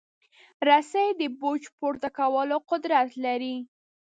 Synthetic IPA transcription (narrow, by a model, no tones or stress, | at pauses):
ɾasajd̪əbod͡ʒpoɾt̪akawəloqʊd̪ɾat̪laɾi